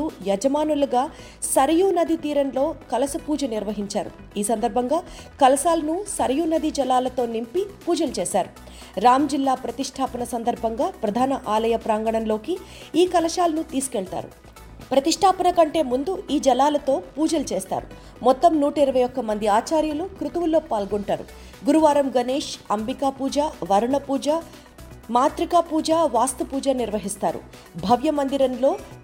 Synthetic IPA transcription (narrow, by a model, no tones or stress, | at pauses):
ujɐd͡ʒɐmaːnuluɡaː | sɐɾɐjunɐd̪ʱit̪iːɾɐnlo̞ːkɐlɐsɐpuːd͡ʒɐniɾʋɐɦiɲt͡ʃaːɾṵ | iːsɐnd̪ɐɾbʱɐŋɡaː | kɐlɐsaːlɐnusɐɾɐjuːnɐd̪ʱid͡ʒɐlaːlɐt̪o̞ːnimpipuːd͡ʒɐlut͡ʃɛːsaːɾu | ɾaːmd͡ʒilːaːpɾɐt̪iʂʈʰaːpɐnɐsɐnd̪ɐɾbʱɐŋɡaːpɾɐd̪ʱaːnɐʔaːlɐjɐpɾaːŋɡɐɳɐnlo̞ːki | iːkɐlɐʂaːlɐnut̪iːsu̥kɛɭt̪a̰ːɾṵ | pɾɐt̪iʂʈʰaːpɐnɐkɐɳʈe̞ːmund̪uiːd͡ʒɐlaːlɐt̪o̞ːpuːd͡ʒɐlut͡ʃeːst̪a̰ːɾu | mɔt̪ːɐmnuːʈɐiɾɐʋɐjɔkːɐmɐnd̪iaːt͡ʃaːɾjɐlukɾut̪ɐʋulːo̞ːpaːlɡoɳʈaːɾṵ | ɡuɾuʋaːɾɐmɡɐneːʂɐmbikaːpuːd͡ʒaːʋɐɾuɳɐpuːd͡ʒa | maːt̪ɾikaːpuːd͡ʒaːʋaːst̪ɐpuːd͡ʒaːniɾʋɐɦist̪aːɾṵ | bʱɐʋjɐmɐnd̪iɾɐnlo̞ː